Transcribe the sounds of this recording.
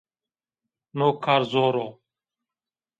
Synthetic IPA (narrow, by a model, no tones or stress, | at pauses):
noːkʰːaːɾzoːɾoː